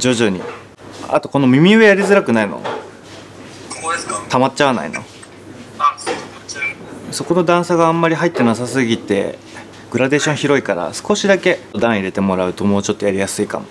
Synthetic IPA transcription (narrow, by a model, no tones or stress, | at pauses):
d͡ʑoʑɨːɲ̟ḭ | a̰t̪o̞ko̞no̞mʲimʲiɯejaɾʲizɨɾakɯ̟naino̰ | t̪amatt͡ɕːaβana̰ḭno̞̰ | so̞ko̞no̞d̪ãɰ̃saɡãːmːaɾʲiɦait̪ːe̞nasasɨɡʲit̪e̞̰ | ɡ̥ɯ̟ɾad̪e̞ːɕõ̞ɰ̃çiɾo̞ikaɾa̰sɨ̥ko̞ɕid̪ake̞od̪ãɰ̃iɾe̞t̪e̞mo̞ɾaɯ̟t̪o̞mo̞ːt͡ɕo̞t̪ːo̞jaɾʲijasɨika̰mo